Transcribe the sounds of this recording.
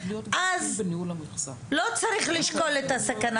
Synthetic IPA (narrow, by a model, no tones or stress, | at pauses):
ʔaznu | lot͡saʁiχliʃko̞let̪asakana